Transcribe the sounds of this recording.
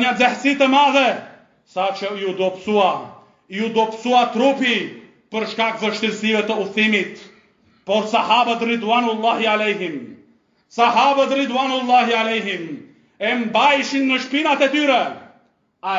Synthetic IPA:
njad͡zɛht͡sit̪əmaːzə | sat͡ʃʰɐjud̪opsua | jud̪opsuat̪ɾupʰi | pəɾʂkakzəʃt̪ilsiʋət̪əuθimit̪ | pɔɾsɐɦaːbɐt̪ɾid̪waːnulːaːɦialejɦim | sɐɦaːbɐt̪ɾid̪waːnulːaːɦialeɦim | embajʃinːəʃpinat̪et̪yɾə | a

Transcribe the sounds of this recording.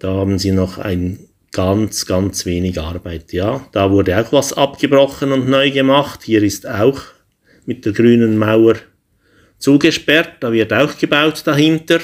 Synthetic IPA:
d̥aːhaːbn̩ziːnɔχa̰ɪn | ɡ̥ɑnt͡sɡ̥ɑnt͡sveːnɪɡɑɾb̥aɪtjaːd̥aːvʊɾdəaʊxvasɑpɡ̥əbrɔχənʊndnɔʏɡəmɑχthiːɾɪstaʊx | mɪt̚d̥eːɾɡryːnənmaʊə | t͡suːɡəʃpɛɾt̚d̥aːvɪɾtaʊxɡ̥əbaʊtd̥aɦɪntəɾ

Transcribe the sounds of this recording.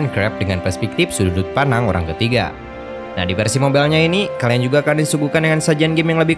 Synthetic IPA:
nkɾɛp̚dəŋanpɛrspɛk̚t̪ifsududut̪̚panaŋoɾa̰ŋkət̪iɡa̰ | nahdifərsimobɛlɲainikaliand͡ʒuɡaːkandisuɡukandəŋansad͡ʒanɡɪmjaŋləbɪh

